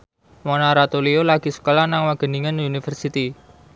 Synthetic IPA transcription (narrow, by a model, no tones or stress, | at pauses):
monaɾat̪oliolaɡ̥i̤sə̥kolanaŋwaɡ̥ə̤niŋənunifərsit̪i